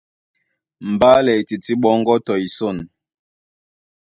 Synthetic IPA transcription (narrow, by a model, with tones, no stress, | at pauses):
m̩˨ba˦lɛ˨i˨ti˨ti˦ɓɔ˦ŋ˦ɡɔ˦tɔ˨i˨so˦˨n